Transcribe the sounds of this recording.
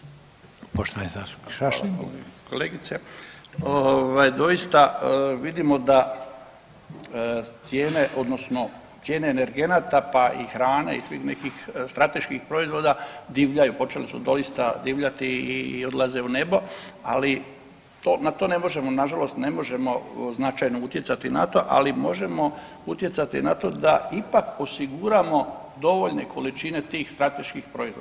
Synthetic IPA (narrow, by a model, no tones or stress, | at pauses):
poʃt̪oa̰niza̰st̪u̥piao̰koleːɡit̪seoʋajd̪o̞ist̪aʋid̪imo̞d̪a | t̪sje̞ːne̞ʔo̞d̪nosno̞ | t̪sje̞ːne̞ːneɾɡe̞nat̪apaʔḭxɾaːnḛḭsʋḭxne̞kixst̪ɾat̪e̞ʃkixpɾo̞izʋo̞d̪ad̪iʋʎajupo̞t͡ʃe̞lisṵd̪o̞ist̪a̰d̪iːʋʎat̪iiod̪lˠaze̞une̞bo̞a̰li | t̪onat̪o̞ne̞mo̞ʒe̞monaʒalo̞st̪ne̞mo̞ʒe̞mo̞znat͡ʃajnout̪je̞tsat̪ina̰t̪o̞ʔa̰limo̞ʒe̞mo̞ | ut̪je̞t̪sat̪ḭnat̪o̞d̪aipako̞siɡuːɾamo̞ | d̪o̞ʋo̞ʎne̞kʰo̞lit͡ʃine̞t̪iːxst̪ɾat̪e̞ʃkixpɾo̞izʋod̪a